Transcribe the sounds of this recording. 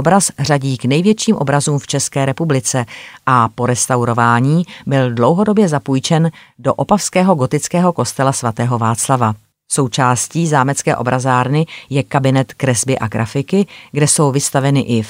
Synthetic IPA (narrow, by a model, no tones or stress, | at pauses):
obɾasraɟiːknɛjvjɛt͡ʃiːmʔo̞̰bɾazuːmft͡ʃɛskɛːɾɛpublɪt͡sɛʔapo̞ɾɛst̪awɾo̞vaːɲiːbɪldlowɦo̞do̞bjɛzapujt͡ʃɛn | do̞ʔo̞pafskɛːɦo̞ɡo̞t̪ɪt͡skɛːɦo̞ko̞st̪ɛlasvat̪ɛːɦo̞vaːt͡slava | sowt͡ʃaːsciːzaːmɛt͡skɛ̰ːʔo̞bɾʔazaːɾnɪjɛkabɪnɛt̪kɾɛzbɪʔaɡɾʔa̰fɪkɪɡdɛso̞wvɪst̪avɛnɪʔɪ